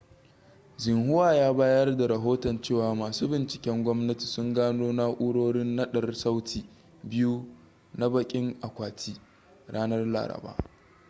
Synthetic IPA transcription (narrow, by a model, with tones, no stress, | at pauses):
d͡ʒɪ˨ŋɦʊ˦waː˨jaː˦baː˦jɐ˦rda˨ɾɐ˨ɦoː˦tɔ˨nt͡ʃeː˦˨waː˨maː˨suː˦bɪ˨nt͡ʃɪ̥˨kʲɛ˦ŋɡʷɔ˦mnɐ˦ti̥˨sʊ˦ŋɡaː˦noː˦na˦ʔʊː˦ɽoː˦ɽɪ˦nːɐ˦ɗɐ˨rsa˦wtʰiː˨ | bɪ˦ju˦ | na˦bɐ˦˨kʲʼɪ˦ŋʔa˨kʷaː˨tʰiː˦ | ɽaː˦nɐ˦rla̰ː˨ɾɐ̰˨ba̰ː˦